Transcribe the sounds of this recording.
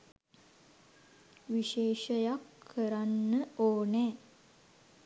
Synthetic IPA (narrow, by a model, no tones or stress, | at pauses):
ʋiʃeːʃəjakʰːəɾanːəoːnɛː